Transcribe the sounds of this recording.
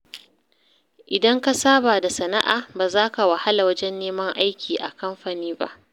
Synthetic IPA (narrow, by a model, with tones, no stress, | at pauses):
ʔɪ˨dɐ˦ŋka˦saː˦baː˨da˨sɐ˨na̰˦ʔa̰ː˨baː˨zaː˦ka˨wa˨ha˦la˨wɐ˦d͡ʒɛ˦nːeː˦mɐ˦ŋʔa˦jkʲʰiː˨ʔa˨kɐ˦mɸaː˨niː˦ba̰˦ʔ